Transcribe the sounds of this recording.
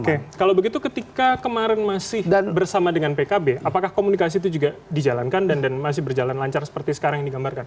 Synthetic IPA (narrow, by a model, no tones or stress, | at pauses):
kekalawbəɡit̪ukət̪ikakəmaɾɛnmasɪhdbərsamadəŋanpekabeʔapakahkomunikas̬it̪̬ud͡ʒuɡadid͡ʒalankandandanmas̬ɪhbərd͡ʒalanlaɲt͡ʃarsə̥pərt̪isə̥kaɾaŋjaŋdiɡambarkan